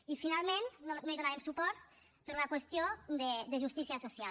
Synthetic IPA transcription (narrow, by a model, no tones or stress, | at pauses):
ifinalˠment̪nomeðonaɾemsupɔɾt̪ | pəɾləkwəst̪jod̪əd̪əʒust̪isiəsosia